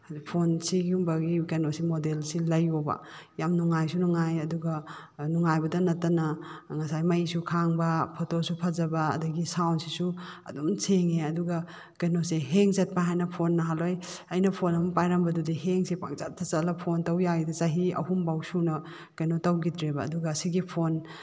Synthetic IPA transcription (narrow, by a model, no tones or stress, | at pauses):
pʰonsiɡumbɐɡikanosimodelsilɐjobɐ̰jamnuŋajsunuŋajɐduɡɐnuŋajbɐdɐnɐtːɐnɐŋɐsajmɐjsukʰaŋbɐpʰotosupʰɐzɐbɐ̰ːdɐɡisawnsisuɐ̰domseŋeɐduɡɐ | kenoseɦeŋzɐt̚paɦajnɐpʰonːɐɦalojɐjnɐpʰonɐmpajɾɐmbɐdudiɦeŋsipa̰k̚t͡ʃat̚ʰɐt͡ʃɐlɐpʰontɐwjaɡidɐzaɦiɐ̰humbawsunɐ | kɐjnotɐwɡitɾebɐ̰ːduɡɐːsiɡipʰon